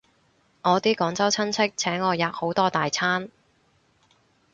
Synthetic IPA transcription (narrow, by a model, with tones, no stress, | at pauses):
ŋɔː˨˧t̪iː˥kɔː˨˧˥ŋt͡sɐ˥wt͡sʰɐ˥nt͡sʰɪ˥k̚t͡sʰɛː˨˥ŋːɔː˨˧jaː˨˩k̚ho˨˥wt̪ɔː˥t̪aː˨jt͡sʰaː˥n